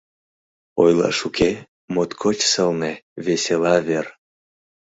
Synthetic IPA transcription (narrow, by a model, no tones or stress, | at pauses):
ojlɑ̰ʃukʰe | mot̪kʰot͡ɕsəlneβeselɑver